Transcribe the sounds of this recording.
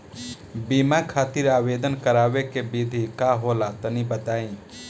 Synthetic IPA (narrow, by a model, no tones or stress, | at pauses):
bimakʰaːt̪iɾaːwed̪ənkəɾaːwekebid̪ʱikaɦolat̪ənibət̪aːĩ